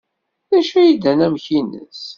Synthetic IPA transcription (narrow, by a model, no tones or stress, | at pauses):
ðæʃæjid̪ænæmçinə̰s